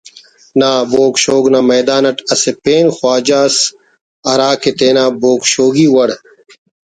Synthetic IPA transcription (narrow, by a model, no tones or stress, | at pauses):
naːboːkɕoːɡnamɐjd̪aːnɐʈɐsepeːnxwaːd͡ʑaːs | ɐɾaːket̪eːnaːboːkɕoːɡiːwɐɽ